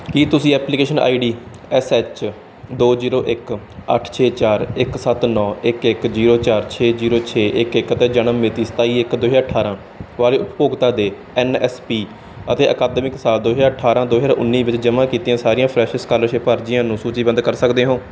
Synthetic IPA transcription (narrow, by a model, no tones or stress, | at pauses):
kit̪ʊsĩːɛːplikeːʃəna̰ːiːɖiː | ɛsɛːt͡ʃ | d̪oːziːɾoːʔɪk | ə̰ʈʰt͡ʃʰeːt͡ʃaːɾɪksət̪nɔːɪkɪkziːɾoːt͡ʃaːɾt͡ʃʰeːziːɾoːt͡ʃʰeːʔɪkɪkət̪eːd͡ʒənəmːeːt̪iːsə̥t̪aːiːɪkd̪oːɦaːəʈʰaːɾãː | ʋaːleːʊppoːɡt̪ãːd̪eː | ɛːnɛ̰ːspiː | ət̪eːʔəkaːd̪mɪksaːld̪oːɦd͡ʒaːəʈʰaːɾãːd̪oːɦd͡ʒãːʔʊ̰nːiːʋɪt͡ʃd͡ʒəmãːkiːt̪iːãːsaːɾijãːpʰɾɛːʃɪskaːlʃeːpəɾd͡ʒɪjãːnũːsuːt͡ʃiːbənd̪kəɾsəkd̪eːɦõː